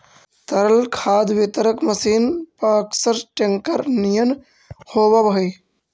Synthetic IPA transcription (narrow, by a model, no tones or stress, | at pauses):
t̪əɾəlkʰaːd̪ʋɪt̪əɾəkməsiːnpɐːksəɾʈeŋkəɾnijən | hoːbɐbɦɐj